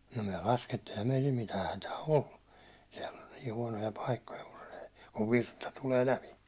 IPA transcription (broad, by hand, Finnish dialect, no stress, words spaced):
no myæ lɑsketːiː eĭhæm meitil mitæː hætæː olːu siɛlː olʲ niː huɒnojɑ pɑikːojɑ kun se kuʋ ʋirtɑ tuleː læpi